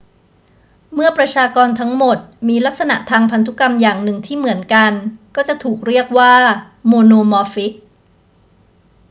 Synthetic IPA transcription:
mɯ˥˩ɐpɾa˧t͡ɕʰaː˧kɔː˧nt̪ʰa˦˥ŋmo˨˩t̪̚miː˧la˦˥k̚sa˧na̰˨˩ʔt̪ʰaː˧ŋpʰa˧nt̪ʰu˦˥ka˧mjaː˨˩ŋnɯ˨˩ŋt̪ʰiː˥˩mɯ˩˦ənka˧nkɔː˥˩t͡ɕa˨˩ʔt̪ʰuː˨˩k̚ɾi˥˩ək̚waː˥˩ | moː˧noː˧mɔ˧fi˦˥k̚

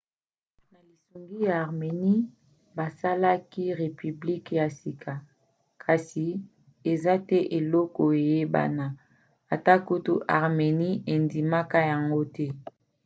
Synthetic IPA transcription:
na˨li˨su˨ŋɡi˦jaː˨ʁme˨ni˦ | ba˨sa˦la˦ki˦ʁe˨py˨bli˦kja˨si˨kʰa˨ | kʰa˨si˨ | e˨za˦tɛ˦ʔe˨lɔ˦kɔ˨e˨je˦ba̰˦na˨ | a˨ta˦ku˦tu˦ʔa̰˨ʁme˨ni˦e˨ndi˨ma˦ka˦ja˨ŋɡo˦tɛ˦

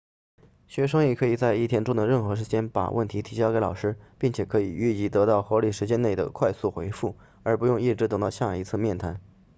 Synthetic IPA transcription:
ɕɥɛ˧˥ʂ̬ɤ˥ŋi˥˩kʰɤ˧˥i˨˩t͡sa˥˧ɪi˥˩t̪ʰjɛ˧˥nʈ͡ʂʊ˥˩ŋd̪ə˩ɻə˥˩nxɤ˧˥ʂɻ̩˧˥t͡ɕjɛ˥npa̰˨˩wʔə̰˥˩nt̪ʰi˧˥t̪ʰi˧˥t͡ɕjɑ˥ʊke˧˥ɪlɑ˨˩ʊʂɻ̩˥pi˥˩ŋt͡ɕʰjɛ˨˩kʰɤ˧˥i˨˩y˥˩t͡ɕi˧˥˩t̪ɤ˧˥t̪ɑ˥˩ʊxwɔ˧˥li˨˩ʂɻ̩˧˥t͡ɕjɛ˥nne˥˩ɪd̪ə̰˩kʰwa˥˧ɪsu˥˩xwe˧˥ɪfu˥˩ | ə˞˧˥pu˧˥jʊ˥˧ŋi˥˩ʈ͡ʂɻ̩˧˥t̪ɤ˨˩ŋt̪ɑ˥˧ʊɕja˥˩˨i˧˥t͡sʰɹ̩˥˧mjɛ˥˩nt̪ʰa˧˥n

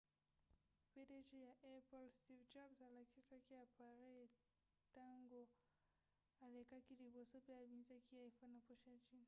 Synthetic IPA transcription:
pɛ˦dɛ˦t͡ʃɛ˦ja˨ʔɛ˦pɔ˦lsti˦vd͡ʒabza˨la˨ki˦sa˦ki˦a˨pa˨ɾɛ | ta˦ŋɡɔ˨ | a˨lɛ˨ka˦ki˦li˨bɔ˨sɔ˦pɛ˦a˨βi˨ɲi˦ta˦ki˦a˨ifa˦na˨pɔ˦ʃat͡ʃi˦n

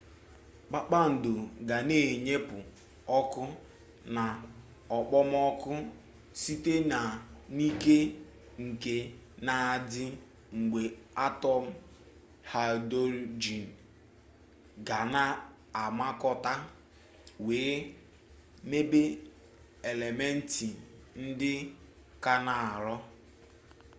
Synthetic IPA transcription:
k͡pa˦k͡pa˦n̩˨dʊ˨ɡa˨ne˦˨ɲe˦pʊ˨ | ɔ˦kʊ˦ | na˨ | ɔ˨k͡pɔ˦m˦ɔ˦kʊ˦ | si˦te˦na˨ni˦ke˦ | ŋ̩˨ke˦na˨a˨dɪ˦ | ŋ̩˨ɡ͡be˨a˦tɔ˦m̩˦ | ha˨do˦ɾd͡ʒi˨n˨ | ɡa˨na˦ | a˨ma˦kɔ˦ta˦ | weː˨˦ | me˦be˦ | e˨le˨me˦n̩˦ti˨n̩˦dɪ˦ | ka˦na˨a˨ɾɔ˦

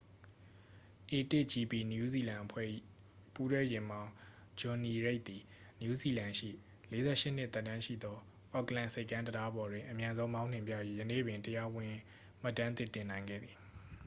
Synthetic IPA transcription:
ʔe˨tɪ˦˨ʔt͡ɕi˨pi˨nju˦zi˨lã˨ʔpʰwɛ̰˦˨ | pu˦twɛ˦jɪ̃˨mbã˦ʊ̃ | d͡ʑɔ˨ni˨ɹe˦ʔ̚t̪i˨ | nju˦zi˨lã˨ʃḭ˦˨ | le˦zɛ̰˦ʃɪ˦˨n̥ɪ˦ʔt̪ɛ˦tːã˦ʃḭ˦˨d̪ɔ˦ | ʔɔ˦klã˦˨nse˦ɪkːã˦ntəda˦bɔ˨dwɪ̃˨ʔəmjã˦nzõ˦ʊ̃mã˦ʊ̃n̥ɪ̃˨mpjä̰˦˨ji˦jə˨nḛ˦˨bɪ̃˨ntəja˦wɪ̃˨ | m̥a˦tːã˦nt̪ɪ˦˨tɪ̃˨nã˨ɪ̃ŋɡɛ̰˦˨d̪ði˨

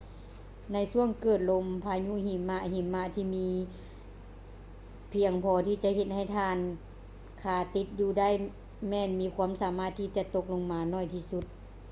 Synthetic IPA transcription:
na˧jsu˧˥˨əŋkɤː˨˩t̪̚lo˧mpʰaː˧ɲu˧˥˨hi˨˩mːa˧ɦi˨˩mːa˧˨t̪ʰiː˧˨miː˧˥ | pʰi˧əŋpʰɔː˧˦t̪ʰiː˧t͡ɕa˧ʔhe˧t̪̚ha˧˩jt̪ʰaː˧˨n | kʰaː˧˩t̪i˧˦t̪̚juː˧˩da˥˨j | mɛː˧˩˨nmiː˧˥kʰwuː˧˥˨msaː˨˦maː˧˩t̪ʰːiː˧˩t͡ɕa˧t̪o˧˥k̚lo˧ŋmaː˨˧nɔː˧˩jt̪ʰiː˧su˧˦t̪̚

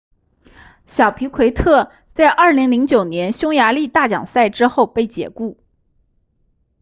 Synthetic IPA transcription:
ɕjɑ˨˩ʊpʰi˧˥kʰwe˧˥ɪt̪ʰɤ˥˩ | t͡sa˥˧ɪʔɐ˞˥˩li˧˥ŋli˧˥ŋt͡ɕjo˨˩ʊnjɛ˧˥nɕjʊ˥ŋja˧˥li˥˧t̪a˥˩t͡ɕjɑ̰˨˩ŋsa˥˩ɪʈ͡ʂɻ̩˥xo˥˧ʊpe˥˩ɪt͡ɕjɛ̰˨˩ku˥˩

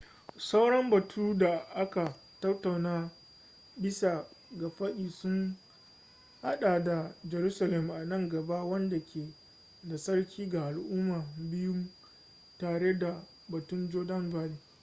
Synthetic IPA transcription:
sa˦wɽɐ˦mbɐ˨tʰuː˦da˨ʔa˦ka˨ | tɐ˦tːa˨wnaː˦ | bɪ˦sa˨ | ɡa˨ɸɐ˦ɗiː˨sʊ˦ŋ | ha̰˦ɗaː˨da˨d͡ʒɛ˨ɾuː˦sa˨lɛ˦m˨ʔa˨nɐ˦ŋɡɐ˨ba˦wɐ˦nda˨kʲeː˨ | da˨sɐ˦ɽkʲʰiː˦ɡa˨ʔa˨lʔʊː˦ma˨bɪ˦jʊ˦m | taː˨ɽe˦da˨ | bɐ˨tʊ˦md͡ʒoː˦dɐ˦nbaː˦li˨

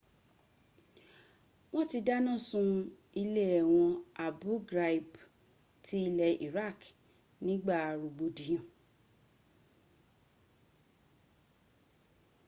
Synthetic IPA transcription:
w̃ɔ̃˦ti˧da˦nã˦˨sũ˧ | i˧le˦ɛ˨w̃ɔ̃˧a˨bu˨˦ɡɾa˧˨i˨b | tʰi˦i˧lɛ˧ḭ˨ɾa˦˨k | nĩ˦ɡ͡ba˦˨ɾu˨ɡ͡bo˨˧di˨˦j̃ã˨

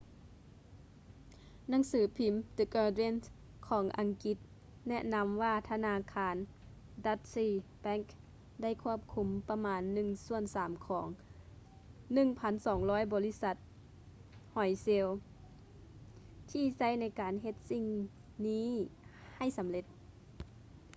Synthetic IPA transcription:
na˧˥˦ŋsɯː˨˦pʰi˨˦mt̪ɯ˧˦kəː˧de˧˥˨ns | kʰɔː˨˦ŋʔa˨ŋki˧˦t̪̚ | nɛ˧ʔna˧mʋaː˧˩t̪ʰa˧naː˧˥kʰaː˧˥n | da˧˦t̪̚siː˧˩bɛ˧˥ŋk | da˥˩jkʰu˧˥˩əp̚kʰu˧˦mpa˧maː˨˧˥nːɯ˧˩ŋsu˧˩ənsaː˩˦mkʰɔː˩˦ŋ | nɯ˧˩˨ŋpʰa˧˥nsɔː˩˦ŋlɔː˧˥jbɔː˨˦li˦˧˥sa˧˦t̪̚ | hɔ˨˩jse˧˥˧w | t̪ʰiː˧˩sa˧˩˨jna˧˥˩jkaː˨nɦe˧t̪̚si˧ŋ | niː˧˥˨ | ha˧˩jsa˨˦mle˧t̪̚

